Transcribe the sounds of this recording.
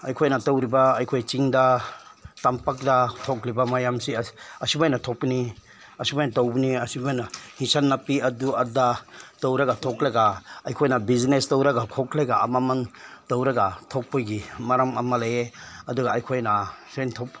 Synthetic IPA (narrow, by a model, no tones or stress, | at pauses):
ajkʰojnatowɾibaːjkʰojt͡ʃiŋda | tampak̚datʰɔklibamajamsiɐsibajnatʰɔk̚pːini | ɐsibajnatowbuniɐsibajnahisanːapiɐduadatowɾaɡatʰɔklaɡaajkʰojnabiznestowɾaɡakʰɔkleɡaa̰mamantowɾaɡatʰɔk̚pojɡimaɾamamalajeɐduɡaːjkʰojnasentʰɔp̚